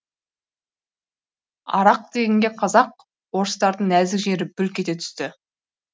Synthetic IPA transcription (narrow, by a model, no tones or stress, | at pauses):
ɑ̰ɾɑq̚d̪e̞ɡʲeŋɡʲeqʰɑzɑq̚ | wo̞ɾəst̪ɑɾd̪əɴæzɪkʒe̞ɾɪbʏlkʲe̞t̪e̞t̪ʰʏ̥st̪ɪ